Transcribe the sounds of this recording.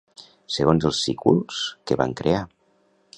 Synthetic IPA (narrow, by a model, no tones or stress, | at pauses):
səɣonzəlˠsikulˠskəβa̰ŋkɾea